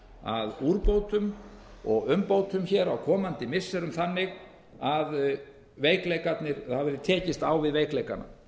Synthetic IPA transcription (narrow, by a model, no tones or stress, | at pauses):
a̰ðuːɾpowt̪ʏmɔɣʏmpowt̪ʏmçɛɾawkʰɔːmant̪ɪmɪsːɛɾʏmθanːɪɣ | að | veːjklejkat̪nɪɾaðvɛɾɪðt̪ʰɛːcɪst̪aːwvɪðveːjklejkana̰